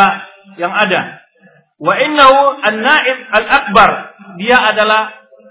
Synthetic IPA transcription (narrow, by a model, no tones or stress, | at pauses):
jaŋʔada | waʔɪnːahuanːaːʔɪbalʔak̚bardɪjaʔadala